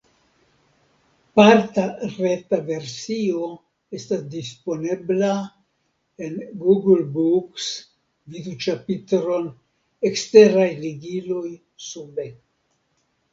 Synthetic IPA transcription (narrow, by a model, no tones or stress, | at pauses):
paɾtaɾetave̞ɾsio̞ | estasdispo̞ne̞bla | enɡuɡlbuks | vid̪ut͡ʃapitɾo̞n | ekste̞ɾajliɡilo̞j | sube